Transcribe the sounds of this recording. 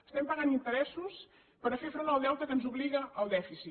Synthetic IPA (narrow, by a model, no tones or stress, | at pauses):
ə̥st̪ɛmpəɣanint̪əɾɛsus | pəɾəfefɾonalˠd̪ɛwt̪əkənzuβliɣəʔəlˠd̪ɛfisi